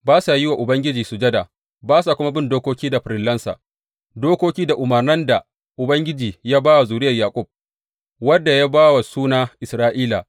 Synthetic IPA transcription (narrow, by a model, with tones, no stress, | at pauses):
baː˦sa˨jɪ˦wa˨ʔʊ˨bɐ˦ŋɡʲɪ˦d͡ʒiː˨su˨d͡ʒɐ˦da˨ | baː˦sa˨kʷʊ˦ma˦bɪ˦˨ndoː˦kʷoː˦kʲiː˦da˨ɸɾɪ˨lːɐ˦nsa̰˨ | doː˦kʷoː˦kʲiː˦da˨ʔʊ˨mɐ˨rnɐ˦nda˨ | ʔʊ˨bɐ˦ŋɡʲɪ˦d͡ʒiː˨ja˦baː˦wa˨zuː˨ɾɪ˦jɐ˨jaː˨kʷʼʊ˦˨b̚ | wɐ˦dːa˨ja˦baː˦wa˨suː˦naː˦ʔɪ˨sɾaː˦ʔiː˦la˨